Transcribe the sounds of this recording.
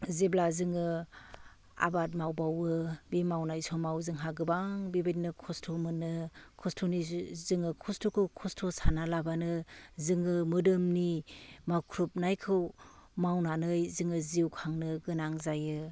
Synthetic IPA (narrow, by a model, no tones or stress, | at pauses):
ziblazɯŋɯ | a̰bat̬̚mawbawɯbimawnajsɔmawzɯŋɦaɡɯbaŋbibit̚nɯkʰɔstʰomɯnːɯkʰɔstʰonizɯŋɯkʰɔstʰokʰɯwkʰɔstʰosanalabanɯzɯŋɯmɯdɯmnimakʰɾup̚najkʰɯwmawnanɯjzɯŋɯziwkʰaŋnɯɡɯnaŋzajɯ